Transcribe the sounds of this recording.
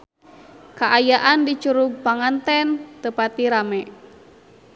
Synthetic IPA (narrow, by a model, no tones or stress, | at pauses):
kaʔajaʔandit͡ʃuɾuɡ̚paŋant̪ɛnt̪əpat̪iɾamɛ